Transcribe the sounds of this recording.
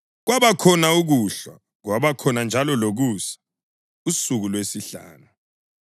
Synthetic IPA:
ɣwaβakʰɔnauɣuɬwa̰ | ɣwaβakʰɔnand͡ʒʱalɔloɣusḁ | usuɣulwesiɬa̰ːnu

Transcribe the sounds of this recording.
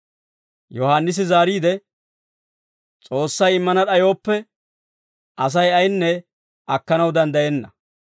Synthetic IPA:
jɔhaːnːɪs̬ɪzaːɾiːd̪ɛ | t͡sʼo̞ːsːɐjɪmːɐnɐɗɐjo̞ːpːɛ | ʔɐs̬ɐjɐjnːɛ | ʔɐkːɐnɐwd̪ɐnd̪ɐjɛnːɐ

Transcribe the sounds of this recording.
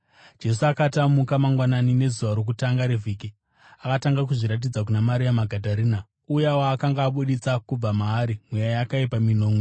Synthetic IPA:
d͡ʒe̞s̬uakatamukamaŋɡwananine̞zuʋaɾok̬utaŋɡaɾevʱiki | akataŋɡak̬uʐiɾat̬id͡zak̬unamaɾijamaɡʱadʱaɾiːna | ujawaːkaŋɡaːɓuɗit͡sakub͡vamaːɾimwejajakaipamino̞ːmwe

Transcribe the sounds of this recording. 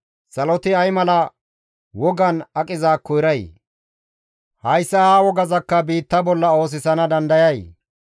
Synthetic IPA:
sɐlɔt̪ɪɐjmɐlɐ | wɔɡɐnɐkʼɪzaːkːɔjɾɐj | hɐjsːɐhawɔɡɐzɐkːɐbiːt̪ːɐbɔlːɐo̞ːs̬ɪsɐnɐd̪ɐnd̪ɐjɐj

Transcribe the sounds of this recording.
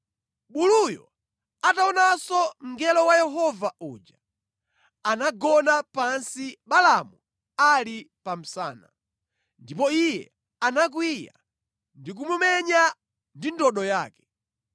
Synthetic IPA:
ɓulujɔ̰ | ataɔnasɔm̩ɡɛlɔwajɛɦɔvauːd͡ʒa | anaɡɔnapansiɓalamu | alipam̩sa̰ːna̰ | ndipɔijɛ̰ | anak̬wija̰ | ndik̬umumɛɲa | ndindɔɗɔjaːkɛ̥

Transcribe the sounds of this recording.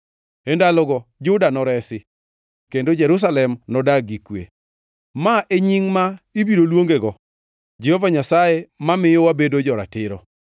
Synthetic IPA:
endalɔɡɔd͡ʒʊdanɔɾɛsɪ | kendod͡ʒɛɾʊs̬alɛmnɔdaɡikwḛ | maʔeɲiŋmaibiɾolwoŋɡeɡɔ | d͡ʒehovaɲasajemamɪjɔwabedod͡ʒɔɾa̰tɪɾɔ̰

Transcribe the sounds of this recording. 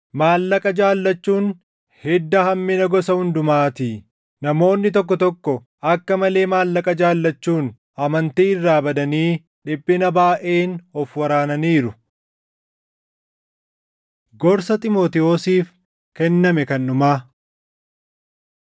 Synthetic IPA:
maːlːɐkʼɐd͡ʒaːlːɐt͡ʃːuːn | hɛd̪ːɐhɐmːɪnɐɡɔsɐhʊnd̪ʊmaːt̪ɪ | nɐmo̞ːnːɪt̪̬ɔk̬ːɔt̪ɔkːɔ | ɐkːɐmɐle̞ːmaːlːɐkʼɐd͡ʒaːlːɐt͡ʃːuːn | ɐmɐnt̪iːɪrːaːbɐd̪ɐniː | ᶑɪpʼːɪnɐbaːʔe̞ːnɔfwɐɾaːnɐniːɾʊ | ɡɔɾsɐt̪ʼɪmoːt̪ɪo̞ːsiːf | kɛnːɐmɛkɐnːʊmaː

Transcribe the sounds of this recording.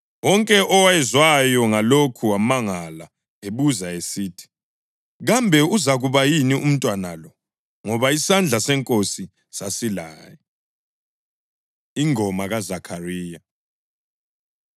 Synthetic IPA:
wɔŋkʼɛʔɔwaɛzwajɔŋalokʰuamaŋala | eβuzaesiːtʰi̥ | ɣambʱɛuzaɣuβajinium̩tʼwanalɔ | ŋɔβaisand͡ɮʱasɛŋkʼosi | sasilaːjɔ | iŋɔmaɣazakʰariːja

